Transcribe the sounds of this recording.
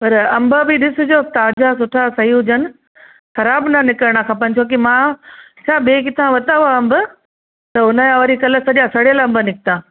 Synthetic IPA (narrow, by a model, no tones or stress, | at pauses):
pɐɾɐ̃mbəbiɗɪsʊ̆d͡ʑoːt̪aːd͡ʑas̬ʊʈʰasɐɦiɦʊd͡ʑənɪ̆ | xɐɾaːbnɐnɪkəɾɽ̃akʰãːpə̃nɪ̆t͡ɕʰok̬imã | t͡ɕʰaːɓeːkɪt̪ʰãʋɐt̪aːaɐmbə | t̪ɐʊnəjaʋɐɾikɐlə̆sɐɗijãsɐɽelɐ̃mbənɪkʰɪt̪ãː